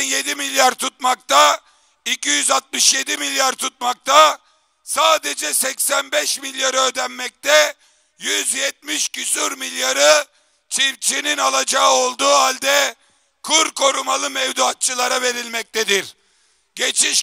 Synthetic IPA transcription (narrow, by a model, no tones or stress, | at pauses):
nje̞d̪imilʲjaɾt̪ʰut̪̚makt̪ʰa | icijyzat̪̚mɯʃje̞d̪imilʲjaɾt̪ʰut̪̚mak̚t̪ʰa | saːd̪ed͡ʒɛsɛcsænbɛʃmilʲjaɾøːd̪ɛnmːɛc̚t̪ʰɛ | jyzjɛt̪̚miʃcysyɾmilʲjaɾɯ | t͡ʃʰipt͡ʃʰininalˠad͡ʒaɯo̞lˠd̪uːɦalʲd̪ɛ | kʰuɾkʰo̞ɾumalˠɯmɛvd̪uat̪̚t͡ʃʰɯlˠaɾave̞ɾilʲmɛc̚t̪ʰɛd̪iɾ | ɟe̞t͡ʃʰiʃ